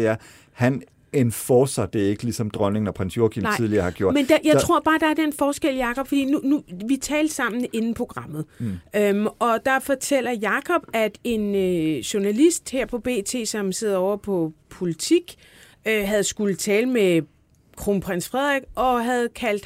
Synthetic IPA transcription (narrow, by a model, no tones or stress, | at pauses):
eæɐ | hæn | enfɒːsɑd̥e̝e̝ɡ̥əlisɒ̽md̥ʁɶne̝ŋnɒpʰʁansjo̝kʰint͡siðˠliɐhɑ̈ɡ̥jo̝ɐ̰mend̥ajäɪt͡sʰʁo̝ɐ̰b̥ɑ̈ːd̥ɑ̈æɐd̥enfɒːsɡ̥el̰jɑ̈kʰɒ̽b̥fɒd̥ḭːnunuʋit͡sʰɛːld̥sɑ̈m̰n̩e̝nn̩pʰʁo̝ɡ̥ʁɑ̈m̰ð̩ˠømɒ̽d̥ɑ̈fɒt͡sʰel̰ɐjɑ̈kʰɒ̽b̥æd̥e̝nøɕu̝ɐnælisd̥heɐ̰pʰɒ̽b̥e̝̰ːt͡sʰe̝̰ːsɒ̽mse̝ð̞̰ˠɐɒʊɐpʰɒ̽pʰo̝lit͡sʰiɡ̥ | øɦæð̞̩ˠsɡ̥ulət͡sʰɛːləme | kʰʁoːnpʰʁansfʁɛð̰ˠʁeɡ̥ʔɒ̽ɦæð̞̩ˠkʰæl̰d̥